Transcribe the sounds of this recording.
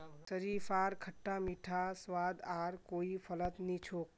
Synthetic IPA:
səɾipaɾkʰəʈːamiʈʰasʋad̪aɾkoipʰələt̪nit͡ʃʰoːk̚

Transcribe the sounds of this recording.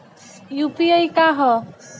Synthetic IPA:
jupiəjkaɦɔ

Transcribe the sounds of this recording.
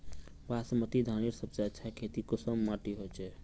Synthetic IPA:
basmət̪id̪ʱaniɾsəbseətːʃʰakʰet̪ikəsəmːaʈiɦot͡ʃʰɛ

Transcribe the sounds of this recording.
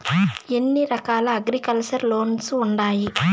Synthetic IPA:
enːiɾɐkaːlɐːɡɾikɐlt͡ʃɐɾlo̞ːnsuɳɖaːji

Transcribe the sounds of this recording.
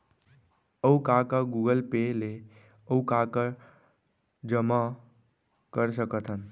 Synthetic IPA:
əukakaɡuɡəlpele | əukaka | d͡ʒəma | kəɾsəkət̪ʰən

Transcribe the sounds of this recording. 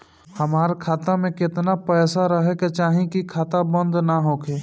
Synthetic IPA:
həmaːɾkʰaːt̪amẽkɪt̪napɛːsaɾəɦeket͡ʃaːɦĩkikʰaːt̪abə̃nd̪naɦoːkʰeː

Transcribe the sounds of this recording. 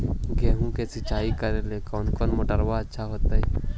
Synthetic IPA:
ɡeːɦũkesɪt͡ʃaːikɐɾelekɔːnkɔːnmoːʈəɾʋaɐtːʃʰaɦoːt̪aɛ

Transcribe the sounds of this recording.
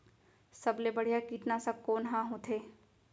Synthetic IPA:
sɐblebɐɽ̤ijakiːʈnasakoːnɦãɦõt̪ʰeː

